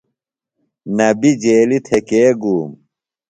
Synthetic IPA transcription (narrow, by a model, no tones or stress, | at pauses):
nɐbid͡ʑeːlit̪ʰekeːɡuːm